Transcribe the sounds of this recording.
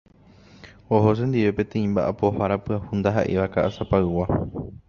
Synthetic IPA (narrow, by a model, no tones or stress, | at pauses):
oɦo̞send̪iʋe̞pẽ̞t̪ẽĩmbaʔapo̞haɾapɨahund̪aɦa̰ʔeʋakaʔasapaɨwa